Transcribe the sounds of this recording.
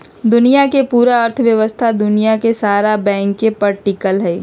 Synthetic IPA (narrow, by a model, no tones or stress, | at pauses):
d̪ʊnijakepuːɾaəɾt̪ʰʋjəʋəst̪ʰad̪ʊnijakesaːɾabɛ̃ːŋkːepɐɾʈikəlɦɛː